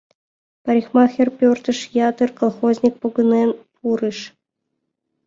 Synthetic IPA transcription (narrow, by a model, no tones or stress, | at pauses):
pɑɾʲixmɑxʲerpʲørt̪ə̆ʂjɑt̪ɨrkolˠχozʲnʲik̚poɡɤ̆nenpʰuɾɨʃ